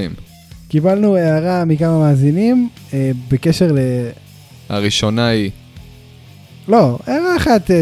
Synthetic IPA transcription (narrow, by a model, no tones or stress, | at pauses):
im | kibalnueaʁamikamamaːzinim | ebeke̞ʃeʁle | a̰ʁiʃonai | lo̞eaʁaeχat̪